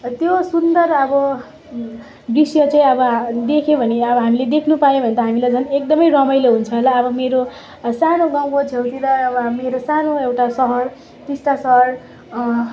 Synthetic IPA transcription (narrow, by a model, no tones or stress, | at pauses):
t̪josund̪ʌrʌbʌ | brisjʌt͡saĩʌbʌd̪ekʰebʱʌneʌbʌɦamiled̪ekʰnupajobʱʌnet̪aɦamilajd͡zʱʌnek̚d̪ʌmʌjrʌmʌjloɦunt͡sʰʌɦolaʌbʌmeɾo | sanoɡãw̃kod͡zʰʱewt̪iɾʌːbʌmeɾosanoewʈasʌɦʌr | t̪isʈasʌɦʌr